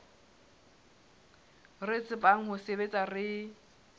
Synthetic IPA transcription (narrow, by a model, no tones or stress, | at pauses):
ret͡sʼɪbaŋ̩ɦʊsebet͡sʼarɪ